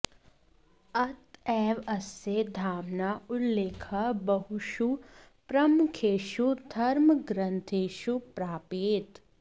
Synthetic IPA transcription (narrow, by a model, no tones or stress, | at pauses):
ɐt̪ɛːʋɐsed̪ʱaːmnaʊlːeːkʰɐbɐɦuʃu | pɾɐmʊkʰeːʃud̪ʱɐɾmɡɾə̃nt̪ʰeːʃupɾaːpeːt̪